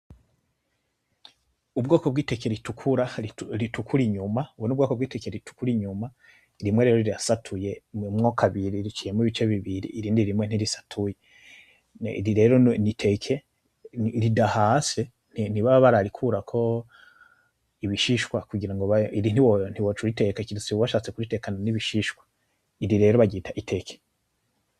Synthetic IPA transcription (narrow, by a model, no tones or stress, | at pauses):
ubɡo̞ːkobɡiːteke̞ɾitukʰuɾaɾitukʰuɾiɲumauwonubɡoːkobɡiːtekeɾiitu̥kuɾiɲuma | ɾimwe̞ɾeɾoɾiɾiasatʰuje̞mŋokʰaβiɾiɾit͡ʃije̞miβit͡ʃeβiβiɾḭːɾiːndiɾimwe̞n̥iɾisḁtʰuje | ḭɾiɾe̞ɾonitʰe̞kʰe | ɾidahase | nn̥iβaββaɾaɾikʰuɾakʰo̞ | iβiʃiʃwakuɡiɾaŋɡoβaiɾin̥iwon̥iwot͡ʃuɾite̞kakiɾisiββaʃaːt͡se̞kuɾite̞kananiβiʃiʃwḁ | iɾiɾe̞ɾoβaɡiːtʰaʔitʰe̞kʰe̥